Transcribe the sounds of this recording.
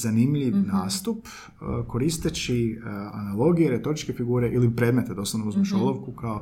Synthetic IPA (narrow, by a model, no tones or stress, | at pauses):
zanimʎiʋnaːst̪up | ko̞ɾist̪et͡ʃia̰nalˠo̞ɡijeɾe̞t̪o̞ɾit͡ʃkefiɡuːɾe̞ʔilipɾe̞ːd̪me̞t̪ed̪o̞sanouzmeʃolˠoʋkukao